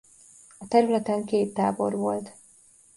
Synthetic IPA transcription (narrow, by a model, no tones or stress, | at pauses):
ɒt̪ɛɾylɛt̪ɛŋkeːt̪ːaːbo̞̰rvo̞lt̪